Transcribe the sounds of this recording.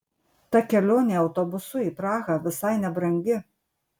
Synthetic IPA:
t̪ɐkʲɛlʲoːnʲeːɒʊt̪oːbʊsʊiːpɾɑːɣɐʋʲɪsɐɪnʲɛbɾɐŋʲɡʲɪ

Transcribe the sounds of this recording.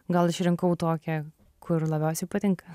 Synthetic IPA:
ɡɐlˠɪʃɾʲɪŋkɐʊt̪oːkʲɛ | kʰʊɾlˠɐbʲɛʊsʲɛɪpɐt̪ʲɪŋkɐ

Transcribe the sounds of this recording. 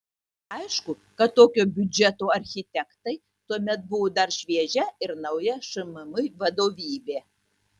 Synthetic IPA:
ɐɪʃkʊ | kɐt̪ːoːkʲoːbʲʊd͡ʒʲɛt̪oːɐɾʲxʲɪt̪ʲɛkt̪ɐɪ | t̪uɔmʲɛt̪̚bʊʋoːd̪ɐɾʃʲʋʲiɛʒʲɛɪɾnɐʊjɛʃɨmɨmɨjʋɐd̪oːʋʲiːbʲeː

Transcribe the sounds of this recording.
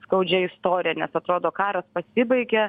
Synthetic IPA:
skɐʊd͡ʒʲɛɪst̪oːɾʲɪjɛnʲɛsɐt̪ɾoːd̪oːkɑːɾɐspɐsʲɪbɐɪɡʲɛ

